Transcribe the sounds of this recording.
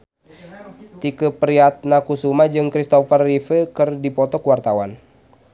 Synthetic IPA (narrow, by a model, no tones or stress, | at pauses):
t̪ikəpəɾiat̪̚nakusumad͡ʒɨŋkɾist̪ɔfərːifəkɨrdipɔt̪ɔkuwart̪awan